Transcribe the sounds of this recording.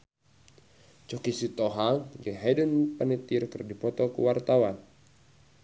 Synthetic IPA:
t͡ʃɔkisit̪ɔɦaɡɛɦɛdənpanət̪irkɨrdipɔt̪ɔkṵwart̪awan

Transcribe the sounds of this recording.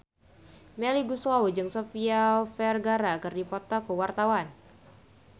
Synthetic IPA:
mɛliɡuswawud͡ʒɨŋsofiafɛrɡaɾaːkɨrdipɔt̪akəwart̪awan

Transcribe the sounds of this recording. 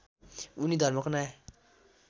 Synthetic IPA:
unid̪ʱʌɾmʌkona

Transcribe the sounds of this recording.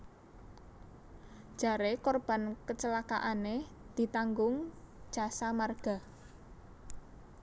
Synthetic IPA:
ʒ̥a̤ɾekɔrb̥a̤nkət͡ʃəlaka̰ʔane | d̪̥i̤t̪aŋɡʊŋ̥d͡ʒ̥a̤samarɡ̥a̤

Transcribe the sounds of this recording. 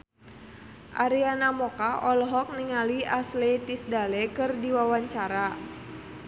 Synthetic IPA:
ʔaɾianamɔkaʔɔlɔɦɔk̚niŋaliaslɛt̪isdalɛkɨrdiwawaɲt͡ʃaɾa

